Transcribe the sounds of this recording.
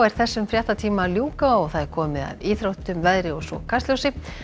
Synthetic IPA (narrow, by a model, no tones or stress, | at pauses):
ɛɾ̥θɛsːʏmfɾjaht̪at̪ʰiːmaljuːkaɔɣθaðɛɾkʰɔːmɪða̰viːθɾowht̪ʏmvɛðɾɪɔɣsɔ̰kʰast̪ljowsɪ